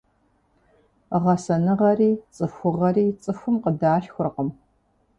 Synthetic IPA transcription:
ʁɐsɐnɨʁɐriːt͡sʼɨfʷʊʁɐɾiːt͡sʼɨfʷʊmqədaːɬxʷʊrqəm

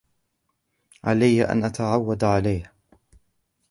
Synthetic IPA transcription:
ʕalajːaʔa̰nʔat̪aʕawːad̪ʕalajh

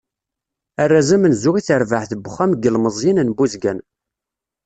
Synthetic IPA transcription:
ærːæzəmənzʊʁiθəɾvəħθəbːʊχːæmɡəlməzˤjinənbuzɡæn

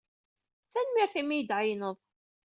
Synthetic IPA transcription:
θænmiɾθimijəd̪ʕəjnəðˤ

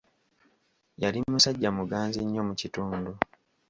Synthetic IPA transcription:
jalimːusaɟːamuɡaːnziɲːo̞mucituːndu

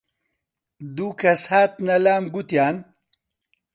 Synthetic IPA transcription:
d̪ukʰɐshaːt̪̚nɐlaːmɡut̪jaːn

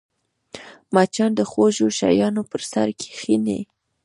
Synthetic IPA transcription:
mat͡ʃɑnd̪əxoʒoʃa̰jɑnopəɾsaɾkʰe̥xinḛ

